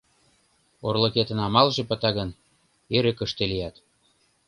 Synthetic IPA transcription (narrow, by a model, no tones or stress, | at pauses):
orlɤ̆ket̪ə̆nɑmɑlʒĕpə̆t̪ɑɣən | eɾə̆kə̆ʃt̪elijɑt̪